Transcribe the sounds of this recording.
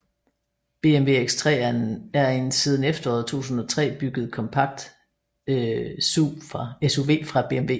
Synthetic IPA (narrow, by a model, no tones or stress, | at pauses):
b̥e̝emʋe̝̰eɡ̥st͡sʰʁɛ̰ːɐnæɐe̝nsiːð̞ˠn̩efd̥ɐɒ̰ːðˠt͡sʰo̝̰ːt͡sʰun̩ˠɒt͡sʰʁɛ̰ːb̥yɡ̥əð̞̩ˠkʰɒ̽mpʰɑ̈ɡ̥̚d̥ | suːfʁɑ̈esoʋe̝̰ːfʁɑ̈b̥e̝emʋe̝̰ː